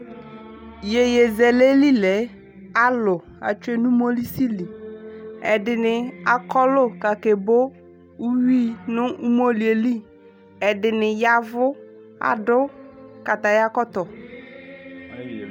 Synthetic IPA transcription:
je˨je˨zɛ˨le˦li˦lɛ˨˦ | a˦lʊ˨ | a̰˨t͡ʃe˦nũ˦mo˦li˦si˦li˨ | ɛ˨dɪ˨nɪ˨a˨kɔ˦lʊ˦˨ka˨ke˨bo˦ | u˦wi˦˨nʊ̃˦u˦mo˦li˨e˨li˦˨ | ɛ˨dɪ˨nɪ˨ja˨vʊ˦ | a̰˨dʊ˦ka˨t̪a˨ja˦kɔ˦t̪ɔ˨

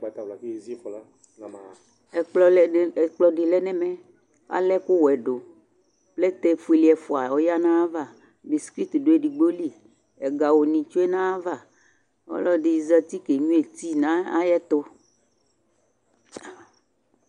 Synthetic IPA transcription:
ɡ͡ba˨˦t̪a˨vla˨kzi˦fɔ˨la˦ | na˨m˨ | ɛ˨k͡plɔ˦lk͡plɔ˦ɖɪ˨lɛ˦nɛ̃˦mɛ̃˦ | a̰˦lɛ˦ku˦wɛ˨ɖo˨ | plɛ˦t̪ɛ˦fu˨i˨li˨ɛ˨fo˨a˨ɔ˨ja˦nã˦a˦va˦˨ | bi˨ski˦t̪ɖo˨˦e˦ɖi˨ɡ͡bo˦li˦ | ɛ˨ɡa˨wo˨nĩ˨t͡ʃo˦e˦nã˦a˦va˦˨ | ɔ̰˦lɔ˦di˨i˨zɾa˨t̪i˦ke˨ɲũ˦e˨t̪i˦nã˦a̰˦jɛ˦t̪ɔ˦

